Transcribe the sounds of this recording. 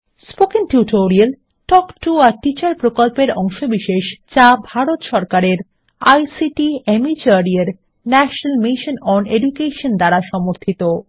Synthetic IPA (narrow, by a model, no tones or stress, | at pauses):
spokiŋʈuʈoɾiel | ʈɔkʈuaɾʈit͡ɕaɾpɾokolpeɾɔŋʃobiʃeʃt͡ɕabʱaɾot̪ʃɔɾkaɾeɾ | a̰jsiʈiemit͡ɕaɾieɾ | nɛʃonalmiʃonɔneɖukeʃond̪aɾaʃɔmoɾt̪ʰit̪o